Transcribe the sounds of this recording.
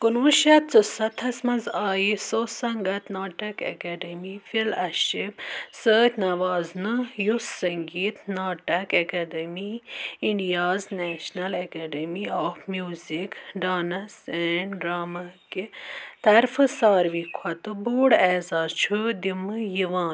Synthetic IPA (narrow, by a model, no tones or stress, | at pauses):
kunʋuʃɐt̪̚t͡sɨsɐt̪ʰɐsmɐnzaːjisoːsɐŋɡɐt̪naːʈɐkɐ̰keɖɐmifilɐʃibsəːt̪ʲʰnɐʋaːznɨjusɐŋɡiːt̪naːʈɐkɐkɐd̪ɐmiiɳɖijaːznɛːʃnɐlɐkeːɖemiɔːfmjuːzikɖaːnɐsɛːɳɖɾaːmɐkit̪ɐɾfɨsaːɾʋikʰɐt̪ɨboːɽɛːzaːt͡ʃʰud̪imɨjiʋaːn